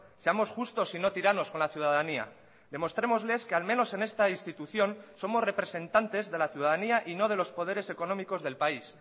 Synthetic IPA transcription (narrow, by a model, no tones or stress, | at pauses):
se̞amo̞sxust̪o̞sino̞t̪iɾano̞sko̞nlaθjuðaðania̰ | ðe̞mo̞st̪ɾe̞mo̞zle̞ske̞almẽ̞no̞se̞ne̞st̪ainst̪it̪uθjo̞nso̞mo̞sre̞pɾe̞sẽ̞nt̪ant̪e̞zðe̞laθjuðaðaniaʔino̞ð̞e̞lo̞spo̞ð̞e̞ɾe̞se̞ko̞no̞miko̞zðe̞lpais